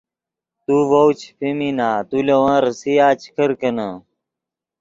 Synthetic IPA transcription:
t̪uːʋowt͡ɕʰpʰiminaːt̪ulɐwãːɾsijaːt͡ɕʰkʰəɾkɐnãː

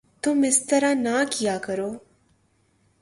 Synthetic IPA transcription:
t̪ʊmɪst̪əɾãnakijaːkəɾoː

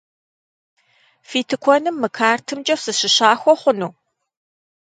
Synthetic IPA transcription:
fiːtʰɨkʷʰɔnɨmːɨkʰaːrtʰɨmd͡ʒɐfsɨɕɪɕaːxʷɔχʷʊnuː

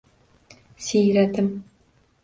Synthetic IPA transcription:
sijɾat̪ʰɪm

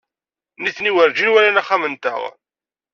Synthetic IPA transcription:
niθniwəɾd͡ʒinwælænæχamənt̪ə̰ʁ

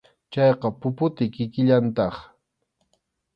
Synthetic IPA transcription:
t͡ʃɑjqɑpʊpʊt̪ɪkɪkɪʎant̪ɑχ

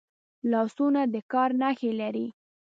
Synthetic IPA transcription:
lɑsunad̪əkɑɾnaxelaɾi

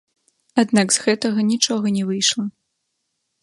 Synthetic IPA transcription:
ad̪naɡzɣɛt̪ɐɣɐnʲit͡ʂɔɣɐnʲɛvɨjʂlˠɐ

